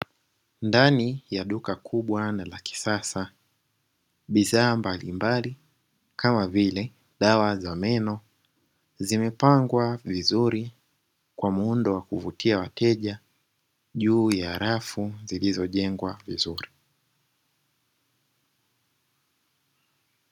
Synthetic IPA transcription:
ndanijaɗukakʰuɓwanalaki̥sasa | ɓiðaːmbalimbali | kʰamavilɛ | ɗawazamɛnɔ | zimɛpaŋɡwavizuɾi | kwam̩undɔwakuvutʰiawatʰɛʄa | ʄuːjaɾafuzilizɔʄɛŋɡwavizuɾi

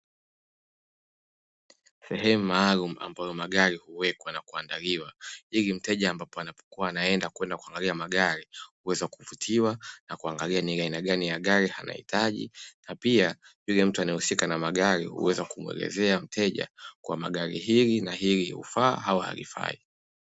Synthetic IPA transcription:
sɛɦɛmumaːlumua̰mbajɔmaɠaɾihuwɛkwanakuandaliwailim̩tɛʄaːmbapɔanapɔ̥kuwaːnaɛndakuwɛndakuaŋɡaliamaɠaɾihuwɛzaakuvutʰiwanakuaŋɡalianiainaɠanijaɠaɾihana̰hḭtʰaʄḭnapiaʄujam̩tuanɛhusikanamaɠaɾihṵwɛzakumwɛ̰lɛ̰zɛam̩tʰɛʄa̰kwa̰ma̰ɠaɾḭɦilinahilihṵfaːɦawaha̰lḭfa̰i

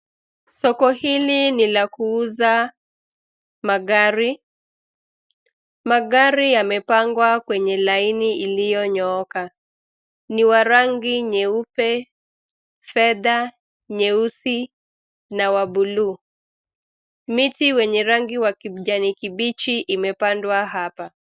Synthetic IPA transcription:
sɔkɔhilinilakuuza | maɡaɾi | maɠaɾijamɛpaŋɡwakwɛɲɛlainiʔilijɔɲɔɔka | niwaɾaŋɡiɲɛupɛ | fɛða | ɲɛusi | nawaɓuluː | mitiwɛɲɛɾaŋɡiwakiʄanikiɓit͡ʃiʔimɛpandwaɦapa

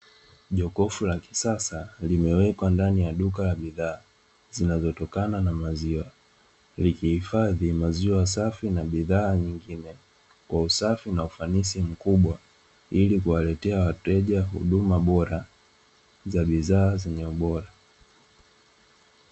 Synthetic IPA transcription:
ʄɔkɔfulaki̥sasalimɛwɛkwandanijaɗukalaɓiðaː | zinazɔtɔkananamaziwa | likihifaðimaziwas̬afinaɓiðaːɲiŋɡinɛ | kwausafinaufanisim̩kuɓwa | ilikuwalɛtɛawatɛʄaɦṵɗumaɓɔɾa | zaɓiðaːzɛɲɛuɓɔɾa

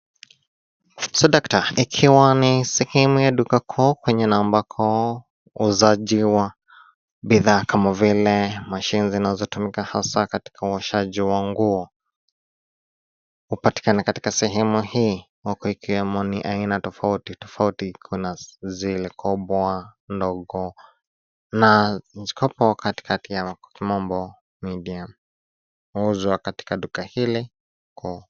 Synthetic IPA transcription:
sɔdaktaikʰiwanisɛhɛmujaɗukakʰɔːkwɛɲɛnambakʰɔ | uzaʄiwa | biðaːkʰamavilɛmaʃinizinazɔtumikahasakati̥kʰauaʃaʄiwaŋɡuɔ | upati̥kanakati̥kasɛɦɛmuhiː | wakɔikiwɛmɔniʔainatɔfautitɔfautikʰunazilɛkɔɓɔandɔɠɔ | nanzi̥kʰɔpɔakati̥kʰatijakimɔmbɔ | midiam | uuzwakati̥kaɗukahili | kɔ

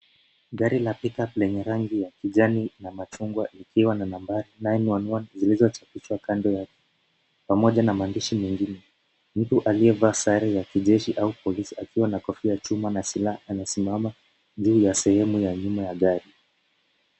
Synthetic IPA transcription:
ɠaɾilapikaplɛɲɛɾaŋɡijakiʄaninamat͡ʃuŋɡwaʔikʰiwananambaɾinajɛniwanwanzilizɔt͡ʃapiʃwakandɔjakɛ̥ | pamɔʄanamaːndiʃimɛŋɡinɛ | m̩tuʔaliɛvaːsaɾɛjakiʄɛʃiʔaupɔlisiakiwanakɔfijat͡ʃumanasilaaːnasimama | ʄuːjasɛhɛmujaɲumajaɠaɾi

